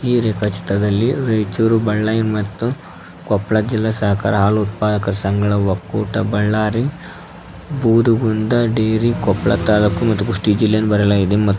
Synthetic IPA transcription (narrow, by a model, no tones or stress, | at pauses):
iːɾeːkɐt͡ʃi̥t̪ɾɐd̪ɐlːiɾɐjt͡ʃuːɾubɐɭːɐjnmɐt̪ːu | kɔpɭɐd͡ʒilːɐsɐɦɐka̰ːɾɐɦaːluːt̪̚paːd̪ɐkɐɾsɐŋɡɐɭɐʋɐkːuːʈɐbɐɭːaːɾi | buːd̪uɡund̪ɐɖeːɾikɔpɭɐ̰t̪aːlukːumɐt̪ːuɡuʂʈid͡ʒilːejɐnbɐɾɐlaːɡid̪emɐt̪ː